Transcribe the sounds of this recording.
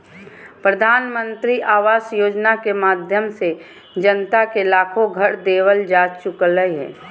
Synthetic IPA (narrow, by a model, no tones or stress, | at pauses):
pɾəd̪ʱaːnmə̃nt̪ɾiʔaːʋaːsjoːd͡ʒnakemaːd̪ʱjəmse | d͡ʒənt̪akelaːkʰoɡʱəɽd̪eːwəld͡ʒaːt͡ʃt͡ʃʊkəlːəiɦɛ̰ː